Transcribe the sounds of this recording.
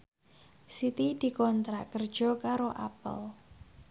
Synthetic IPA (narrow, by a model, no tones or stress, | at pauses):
sit̪id̪̥i̤kɔnt̪ɾakərd̥ʒ̥ɔ̤kaɾoʔa̰pə̰l